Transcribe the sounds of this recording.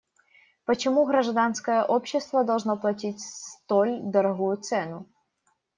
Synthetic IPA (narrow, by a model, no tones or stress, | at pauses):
pət͡ɕɪmuɣɾɐʐd̪anskəjəʔopɕːɪst̪vəd̪ɐlˠʐnoplˠɐtʲitʲsst̪olʲd̪əɾɐɣujʊt̪sɛnʊ